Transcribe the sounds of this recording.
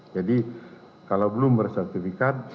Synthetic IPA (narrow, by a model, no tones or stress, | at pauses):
d͡ʒadi | kalawbəlʊmbərsɛrt̪ifikat̪̚